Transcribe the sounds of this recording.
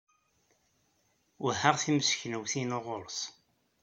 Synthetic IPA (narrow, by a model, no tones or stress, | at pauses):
ʊɦəʁθiməsçnəwθinoʁʊɾs